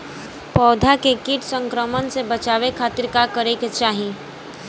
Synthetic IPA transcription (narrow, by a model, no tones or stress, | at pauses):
pɔːd̪ʱakekiʈsə̃ŋkɾəmənsebət͡ʃaːʋekʰaːt̪iɾkakəɾeket͡ʃaːɦĩ